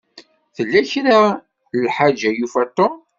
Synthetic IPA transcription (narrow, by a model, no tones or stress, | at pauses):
θəlːæçɾa | əlħad͡ʒajufæt̪ˤːo